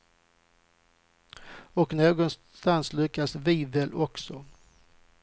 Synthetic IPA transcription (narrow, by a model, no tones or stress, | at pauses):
ɔknoːɡɔns | t̪anslʏkːasvivɛlʔɔksɔ